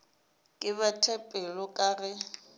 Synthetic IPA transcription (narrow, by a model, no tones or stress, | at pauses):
kʼɪβatʰɛpʼɛlɔkʼaːrɪ